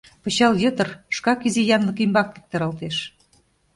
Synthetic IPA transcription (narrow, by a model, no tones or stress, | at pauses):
pɤ̆ɕɑljɤ̆t̪ɤ̆rʃkɑkizijɑnlɤ̆kimbɑk̚pik̚t̪ɑɾɑlt̪eʃ